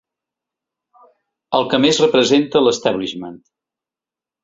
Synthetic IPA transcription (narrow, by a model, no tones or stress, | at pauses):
əlˠkəmezrəpɾəzent̪ələst̪ɛβliʃmənt̪